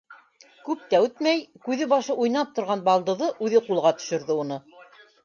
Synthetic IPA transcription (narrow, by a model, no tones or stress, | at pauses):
kʉp̚t̪æʉt̪mæjkʉðɘbɑʃɤʔujnɑp̚t̪ŏɾʁɑnbɑlˠd̪ɤ̆ðɤʔʉðɘqulˠʁɑt̪ɵ̥̆ʃɵ̆ɾðɘunɤ